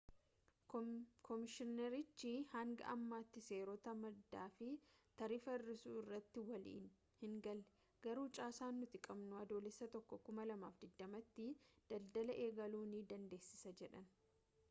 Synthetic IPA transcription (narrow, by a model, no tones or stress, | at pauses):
kʰɔmɪʃɪnɛɾɪt͡ʃːɪhɐŋɡɐ̰ʔɐmːaːt̪ːɪse̞ːɾɔt̪ɐmɐd̪ːaːfɪt̪ɐɾiːfɐɪrːɪsuːɪrːɐt̪ːɪwɐlḭːn | hɪŋɡɐlːɛ | ɡ̥ɐɾuːt͡ʃʼaːsaːnːʊt̪ɪkʼɐbnʊɐd̪o̞ːlɪsːɐt̪ɔkːɔkʊmɐlɐmaːfd̪ɪd̪ːɐmɐt̪ːɪd̪̥ɐld̪ɐlɐʔe̞ːɡɐluːniːd̪ɐnd̪e̞ːsːɪ̥sɐd͡ʒɛᶑɐn